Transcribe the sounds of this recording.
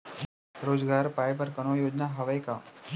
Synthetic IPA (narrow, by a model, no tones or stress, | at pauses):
ɾoːd͡ʒɡaːɾpaːjp̬əɾkɐnojoːd͡ʒnaɦɐʋəjka